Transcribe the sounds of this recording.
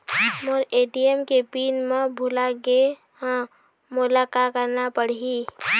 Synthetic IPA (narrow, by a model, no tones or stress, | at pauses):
moɾeːʈiemkepiːnmẽbʱʊlaɡẽ | mʊlaːkakəɾnapəɽ̤iiː